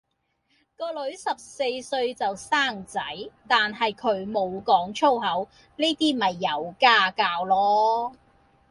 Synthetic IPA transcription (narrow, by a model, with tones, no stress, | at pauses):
kɔː˧lɵ˨˥ɥsɐ˨p̚se˧jsɵ˧ɥt͡sɐ˨wsaː˥˩ŋt͡sɐ˨˥jt̪aː˨nɦɐ˨jkʰɵ˨˧˥ɥmo˨˧wkɔː˨˥ŋt͡ʃʰo˥whɐ˨˥w | neː˥t̪iː˥mɐ˨˩jːɐ˨˧wkaː˥kaː˧wlɔː˥